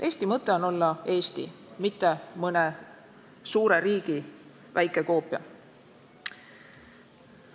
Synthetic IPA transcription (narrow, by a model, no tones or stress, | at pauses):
ʔe̞ːst̪imɤt̪ːˑe̞o̞no̞lːɑe̞ːst̪ḭmit̪ːe̞mɤne | suːɾe̞ɾiːɡ̥i | væjkːˑe̞ko̞ːpːˑjɑ̰